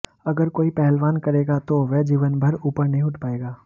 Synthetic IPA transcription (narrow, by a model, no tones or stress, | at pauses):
ɐɡəɾkoːipɛɦɛlʋaːnkɐɾeːɡat̪oʋɛːd͡ʒiːʋənbʱɐɾuːpəɾnɐɦĩʊʈʰpaːeːɡaː